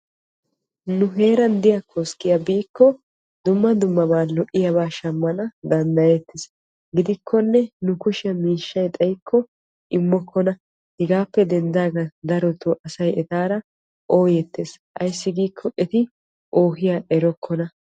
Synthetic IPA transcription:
nʊɦe̞ːɾɐnd̪ɪjɐkʰɔskɪjabiːkːɔ | d̪ʊmːɐd̪ʊmːɐbaːnlɔʔɪjɐbaːʃɐmːɐnɐd̪ɐnd̪ɐjɛt̪ːɪs | ɡɪd̪ɪkʰːɔnːɛnʊkʊʃɪɐmiːʃːɐjt̪ʼɐjkʰːɔ | ʔɪmːɔkʰːɔnɐ | hɛɡaːpːɛd̪ɛnd̪aːɡɐd̪ɐɾɔt̪uʔɐsɐjɛt̪aːɾɐ | ʔo̞ːjɛt̪ːeːsʔɐ̰jsːɪɡiːkʰːɔʔɛt̪ɪ | ʔoːhɪjaʔɛɾɔkʰːɔnɐ

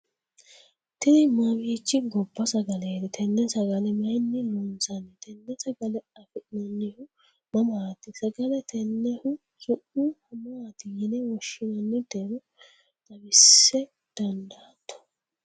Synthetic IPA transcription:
t̪ɪnɪmabiːt͡ʃːɪɡɔbːɐsɐɡɐleːd̪ɛt̪ʰɛnːɛsɐɡɐlɛmɐjnːɪlɔnsɐnːɛt̪ʰɛnːɛsɐɡɐlɛɐfɛᶑɪnɐnːɪhʊ | mɐmaːt̪ɪsɐɡɐlɛt̪ʰɛnːɛhʊ | sʊʔuhɐmɐat̪ɪjɛnɛwɔʃːɪnɐnːɪd̪eɾʊ | d̪̥ɐbɪsːɛ | d̪̥ɐnd̪a | t̪ːɔ̥

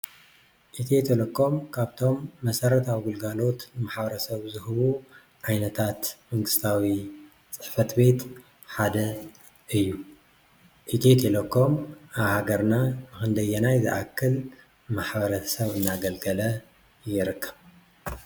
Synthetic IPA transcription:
ʔit̪ʰet̪ʰelokʰːo̞mkʰaβt̪ʰo̞mːɐsɐɾɐt̪ʰawɡulɡalo̞t̪nmaħbɐɾɐsɐβzɨhɨβu | ʕajnɐt̪ʰat̪mɐŋɡɨst̪ʰawi | t͡sʼɨ̥ħfɐt̪be̞t̪ | ħad̪ɐ | ʔɨjːu | ʔit̪ʰet̪ʰelokːo̞mʔaβhaɡɐɾnanɨxɨnd̪ɐjɛnajzɨ̰ʔakʰːɨl | maħbɐɾɐsɐβɨnːaɡɐlɡɐlɐ | jɪɾɨkːɐβ

